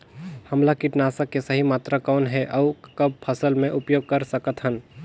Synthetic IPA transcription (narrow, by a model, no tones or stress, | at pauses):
hɐmlakiʈnaːsakesəɦimaːt̪ɾakɔːnɦɛʔɔːkɐb̚pʰəsəlmẽʔʊpjoːɡ̚kəɾsəkət̪ɦən